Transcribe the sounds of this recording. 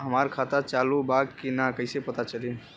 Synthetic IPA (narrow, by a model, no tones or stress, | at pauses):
ɦəmaɾkʰat̪at͡ʃalubaɡkinakəɪsepət̪at͡ʃəli